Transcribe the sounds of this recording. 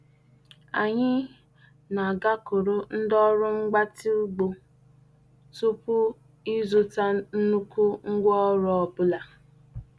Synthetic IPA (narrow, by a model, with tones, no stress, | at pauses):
a˨ɲɪ˦ | na˨ɡa˦ko˨ɾo˦n̩˦dɔ˦ɾʊ˦ŋ͡m̩˦ɡ͡ba˦ti˦u˦ɡ͡bo˨ | tu˦pʊ˦ | i˦zo˨ta˦n̩˦nu˦ku˦ŋ̩˦ɡʷɔ˦ɾɔ˨˦ɔ˨bʊ˦la˨